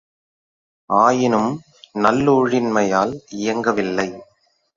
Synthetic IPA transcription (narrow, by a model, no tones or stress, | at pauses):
ʔaːjɪnɯm | nɐlːuːɻɪnmɐjaːlɪjɐŋɡɐʋɪlːɐɪ